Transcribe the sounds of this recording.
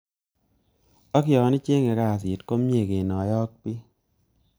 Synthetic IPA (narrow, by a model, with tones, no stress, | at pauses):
ɔ˦kɪ˦jɔ˨˦nɪ˦t͡ʃe˦ŋe˨ka˦˨si˨tko˦mje˨ke˨nɔ˨jɔ˦k̚pi˦